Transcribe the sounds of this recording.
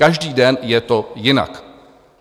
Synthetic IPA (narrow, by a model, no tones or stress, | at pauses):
aʒdiːdɛnjɛt̪o̞jɪna̰k